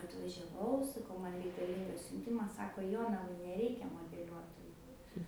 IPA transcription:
ɐtʋɐʒʲɛˈʋɐʊ sɐˈkɐʊ ˈmɐn rʲɛɪkɐˈlʲiːŋɡɐs sʲʊnʲˈtʲɪmɐs ˈsɑːkoː ˈjoːnɐʋɐɪ nʲɛˈrʲɛɪkʲɛ moːdʲɛˈlʲuɔtoːjʊ

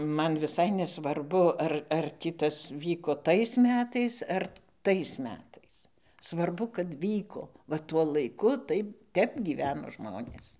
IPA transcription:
ˈmɐn ʋʲɪˈsɐɪ nʲɛsʋɐrˈbʊ ˈɐr ɐr ˈtʲiː ˈtɐs ˈʋʲiːkoː ˈtɐɪs ˈmʲæːtɐɪs ɐr ˈtɐɪs ˈmʲæːtɐɪs sʋɐrˈbʊ kɐt ˈʋʲiːkoː ʋɐ ˈtuɔ lˠɐɪˈkʊ ˈtɐɪp ˈtʲɛp ɡʲiːˈʋʲæːnoː ˈʒmoːnʲeːs

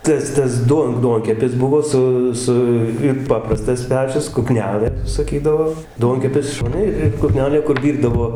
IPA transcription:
ˈtɐs ˈtɐs ˈduɔn ˈduɔŋʲkʲɛpʲɪs ˈbʊʋoː ˈsʊ ˈsʊ ɪr ˈpɑːprɐstɐs ˈpʲæːt͡ʃʲʊs k ʊˈknʲæːlˠɘ sɐˈkʲiːdɐʋoː ˈduɔŋʲkʲɛpʲɪs ˈʃoːnʲɛ ˈɪr ɪr kʊˈknʲæːlʲeː kʊr ˈʋʲiːrdɐʋoː

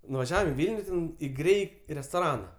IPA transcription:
nʊʋɐˈʒʲæːʋɐm ɪ ˈʋʲɪlʲnʲʊ tʲɛn ɪ ˈɡrʲɛɪ rʲɛstoːˈrɑːnɐ

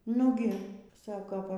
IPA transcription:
ˈnʊɡʲɪ ˈsɑːkoː ˈʋɐ

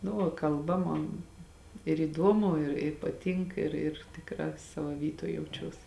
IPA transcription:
nʊ ˈʋɐ kɐlˠˈbɐ ˈmoːn ɪr iːˈduɔmʊ ɪr ɪ pɐˈtʲɪŋk ɪr ɪr tʲɪkˈrɑː ˈsɑːʋoː ˈʋʲiːtoːj jɛʊˈt͡ʃʲuɔs

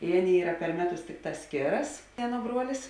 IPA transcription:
ɪ ˈɑːˌnʲeːɪ ˈiːrɐ pʲɛr ˈmʲæːˌtʊs ˈtʲɪkˌtɑːs ˈsʲkʲeːrɐs ˈɑːˌnuɔ ˈbruɔlʲɪs

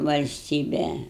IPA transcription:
ʋɐlʲsʲˈtʲiːbʲɛ

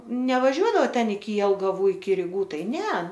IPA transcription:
nʲɛʋɐˈʒʲuɔˈdɑːʋɐ ˈtʲɛn ɪkʲɪ jɛlˠɡɐˈʋuː ɪkʲɪ rʲɪˈɡuː ˈtɐɪ ˈnʲɛ

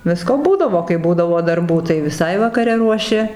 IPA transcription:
ˈʋʲɪskoː ˈbuːdɐʋoː kɐɪ ˈbuːdɐʋoː dɐrˈbuː tɐɪ ʋʲɪˈsɐɪ ʋɐkɐˈrʲɛ ruɔˈʃʲɪ

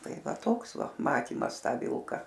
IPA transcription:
ˈtɐɪ ˈʋɐ ˈtoːks ˈʋɐ ˈmɑːtʲiːmɐs ˈtɑː ˈʋʲɪlˠkɐ

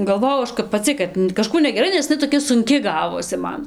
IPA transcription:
ɡɐlˠˈʋoːjɛʊ ˈɐʃ kɐp pɐˈt͡sʲɪ kɐt kɐˈʃkuː nʲɛɡʲɛˈrɐɪ nʲɛs nʲɛ ɪˈnɐɪ toːˈkʲɛ sʊŋʲˈkʲɪ ˈɡɑːʋoːsʲɪ ˈmɐn

